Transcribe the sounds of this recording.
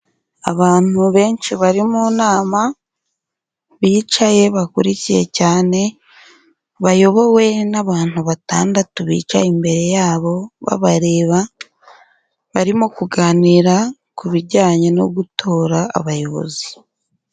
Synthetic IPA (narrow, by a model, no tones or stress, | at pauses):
aβaːn̥uβe̞ːnʃiβaɾimunaːma | βiːt͡ʃaje̞βakuɾicije̞̰caːne̞ | βajo̞βo̞we̞naβaːn̥huβata̰ːndatuβḭːt͡ʃa̰imbe̞ɾe̞jaːβo̞βa̰βaɾe̞ːβa | βaɾimo̞kuɡaniɾa | kuβiɟaːɲano̞̰ɡutʰo̞ːɾaa̰βajo̞βo̞̰zi